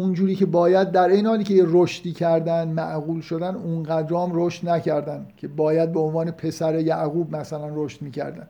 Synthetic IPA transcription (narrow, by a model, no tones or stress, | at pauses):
ʔund͡ʒuːɾiːcʰe̞bɒːjæd̪̚ːæɾʔejnehɒːliːkcʰejeɾoʃt̪iːcʲʰæɾd̪ænd̪mæʔɣuːlʃo̞d̪ænunɢæd̪ɾɒːmɾoʃt̪næcʰæɾd̪ænd̪cʰe̞bɒːjæd̪̚beonvɒːne̞pʰe̞sæɾe̞jæʔɣuːbmæsælænroʃt̪miːcʰæ̰ɾd̪æ̰n